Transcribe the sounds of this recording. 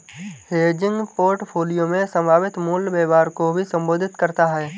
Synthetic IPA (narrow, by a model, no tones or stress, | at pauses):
heːd͡ʒɪ̃ŋɡpoːɾʈpʰoːlijomẽsə̃mbʱaːʋɪt̪muːlbeːʋaːɾkobʱisə̃mboːd̪ʱɪt̪kəɾt̪aɦɛː